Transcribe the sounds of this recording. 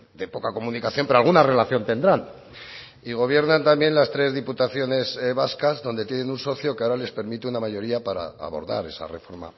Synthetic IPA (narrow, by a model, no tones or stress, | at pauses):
d̪e̞po̞kako̞munikaθjo̞mpe̞ɾoalɣunare̞laθjo̞nt̪e̞nd̪ɾan | iɣ̞o̞β̞je̞ɾnant̪ambje̞nlast̪ɾe̞zðiput̪aθjo̞ne̞zβaskazðo̞nd̪e̞t̪je̞ne̞nunso̞θjo̞keaoɾale̞spe̞ɾmit̪eunamaʝo̞ɾiapaɾa̰ːβo̞̰ɾða̰ɾe̞̰sa̰re̞̰fo̞ɾma̰